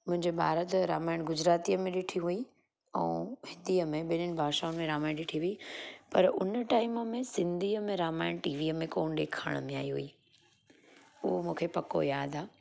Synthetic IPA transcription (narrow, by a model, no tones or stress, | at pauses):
mʊ̃ɦɪ̃ɲd͡ʑebʱa̰ːɾət̪ɾaːmaːɪɽ̃ɡʊd͡ʑɾaːt̪iəmẽɗɪʈʰiɦui | ɛ̃ːhɪd̪iːəmẽɓɪnənɪ̆bʱaːʃaʊnmẽɾaːmaːɪɽ̃ɗɪʈʰiɦuipɐɾʊ̰nəʈaːɪmə̆mẽsɪ̃nd̪ʱiːəmẽɾaːmaːɪɽ̃ʈiːʋiːəmẽkoːñɗ̪eːkʰa̰ːɽ̃əmẽa̰ːiɦṵiː | ʊɦomũːkʰepɐko̰jaːd̪aː